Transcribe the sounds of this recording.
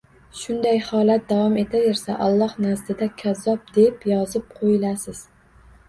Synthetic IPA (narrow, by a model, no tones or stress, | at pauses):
ʃʊnd̪ajhɒːlˠat̪̚d̪avɒme̞t̪ʰajeɾsaʔɒlˠːɒhnazd̪ɪd̪akʲʰazɒp̚d̪e̞pjɒzɪp̚qʰojɪlasɪz̥